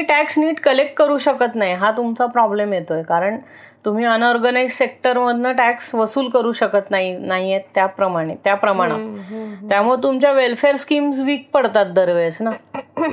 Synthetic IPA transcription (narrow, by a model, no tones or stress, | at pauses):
iʈæksniːʈkəlek̚ʈ̚kəɾuːɕəkət̪naɦiɦat̪umt͡sapɾɔblemjet̪ojkaɾəɳ | t̪um̤iːənɔɾɡənaizsek̚ʈəɾməd̪ʱnəʈæksʋəsuːlkəɾuːɕəkət̪naɦinaɦijet̪ːjapɾəmaɽ̃et̪japɾəmaɽ̃at̪jamuet̪umt͡ɕjaʋelfeɾskiːmsʋiːk̚pəɽt̪at̪̚d̪əɾʋesna